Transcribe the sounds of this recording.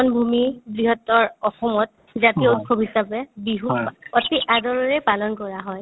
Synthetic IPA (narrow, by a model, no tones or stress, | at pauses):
ɔnbʱumibɹiɦɔtːɔɹɔxɔmɔt̚ | zatiut̚kʰɔbɦisabɛbiɦuotiʔadɔɹɔɹɛpalɔnkɔɹaɦɔj